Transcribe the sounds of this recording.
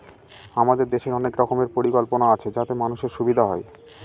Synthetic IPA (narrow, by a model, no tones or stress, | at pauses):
amad̪eɾd̪eʃeɾɔnekɾɔkʰomeɾpoɾikolponaat͡ɕʰed͡ʑat̪emanuʃeɾʃubid̪ʱaɦɔe